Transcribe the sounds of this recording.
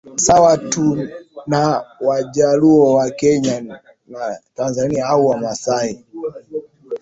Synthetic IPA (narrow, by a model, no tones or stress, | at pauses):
sawatunawaʄaluɔwakɛɲa | natanzaniaauwamasai